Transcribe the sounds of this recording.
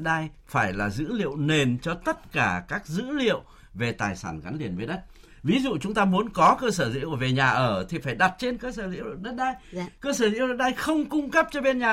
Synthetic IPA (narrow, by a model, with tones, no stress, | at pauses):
ɗa˧j | faː˧˩jlaː˨˩zɨ̰˧˥lḭ˧˨ə˨wne˨˩nt͡ɕɔ˧t̪ə˦˥t̚kaː˧˩kaː˦˥k̚zɨ̰˧˥lḭ˧˨əw | ve˨˩t̪aː˨˩jsaː˧˩nɣa˨˦nli˨˩ənve˨˦ɗə˦˥t̚ | vi˨˦zṵ˧˨t͡ɕʊ˨˦ŋ͡mt̪aː˧mu˨˦ənkɔ˨˦kəː˧səː˧˩zɨ̰˧˥ə˧˩ve˨˩ɲaː˨˩ʔəː˧˩t̪ʰi˨˩faː˧˩jɗa˨˩t̚t͡ɕe˧nkəː˧səː˧˩zɨ̰˧˥ə˨wɗə˦˥t̚ɗaː˧jkəː˧səː˧˩zɨ̰˧˥˨ɗə˦˥t̚ɗaː˧jxə˧wŋ͡mkʊ˧ŋ͡mkə˦˥p̚t͡ɕɔ˧ɓe˧nɲaː˨